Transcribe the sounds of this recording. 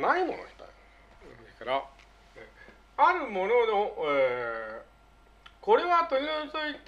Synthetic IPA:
naimo̞̰noɕi̥t̪a̰i | ɯd̪eskaɾa | e | aɾɯ̟mo̞no̞noe | ko̞ɾe̞βat̪oɾʲinoɲit͡sɨit̪

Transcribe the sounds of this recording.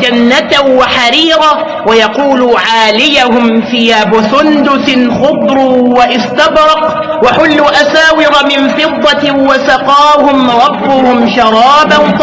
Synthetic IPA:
d͡ʒanːat̪waħaɾiːɾa | wajɑquːluːʕaːlɪjahʊmfɪjaːbʊsʊnd̪ʊθxʊbɾuːwaʔɪst̪abɾˤɑq | waħʊlːuːʔasaːwɪɾˤɑmɪnfɨd̪ˤːɑwasɑqɑːhʊmɾˤɑfːʊhʊmʃɑɾˤɑːban

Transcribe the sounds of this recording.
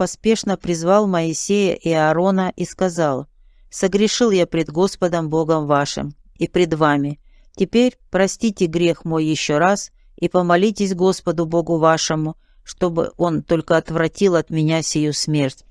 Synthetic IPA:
pɐspʲe̞ʂnəpɾʲɪzvɑlˠməɪsʲejəʔɪɐːɾo̞nəʔiskɐzɑlˠ | səɡɾʲɪʂɨlˠjapɾʲɪd̪ɡo̞spəd̪əmbo̞ɡəmvaʂɨ̰m | ipɾʲɪd̪vamʲɪ | tʲɪpʲeɾʲpɾɐsʲtʲitʲɪɡɾʲe̞xmo̞jːɪɕːo̞ɾas | ipəmɐlʲitʲɪsʲɡo̞spəd̪ʊbo̞ɡʊvaʂɨmʊ | ʂt̪o̞bɨ̰ʔo̞nt̪o̞lʲkəɐt̪vɾɐtʲilˠɐt̪mʲɪnʲasʲɪjusmʲe̞rtʲ

